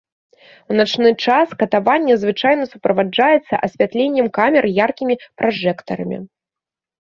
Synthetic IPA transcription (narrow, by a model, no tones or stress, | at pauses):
wnat͡ʂnɨt͡ʂaskɐt̪avanʲːɛzvɨt͡ʂajn̪ɐsupɾɐvad͡ʐajɛt̪sːɐ̰ʔɐsʲvʲat̪lʲenʲːɛmkamʲɛrjarkʲimʲipɾʔaʐɛkt̪ɐɾɐmʲḭ